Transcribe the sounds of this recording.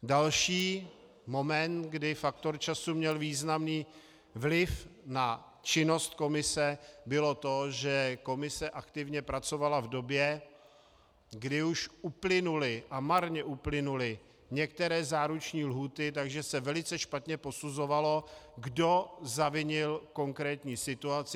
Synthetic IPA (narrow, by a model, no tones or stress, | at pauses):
dalʃiː | mo̞mɛnt̪ɡdɪfakt̪oɾt͡ʃasumɲɛlviːznamniː | vlɪfna | t͡ʃɪno̞st̪ko̞mɪsɛbɪlo̞t̪o̞ʒɛko̞mɪsɛʔakt̪ɪvɲɛpɾat͡so̞valavdo̞bjɛ | ɡdɪuʃʔuplɪnulɪʔamaɾɲɛʔuplɪnulɪ | ɲɛkt̪ɛɾɛːzaːɾut͡ʃɲiːlɦuːt̪ɪt̪̬aɡʒɛsɛvɛlɪt͡sɛʃpat̪ɲɛpo̞suzo̞valo̞ɡdo̞zavɪɲɪlko̞ŋkɾɛːt̪ɲiːsɪt̪uat͡sɪ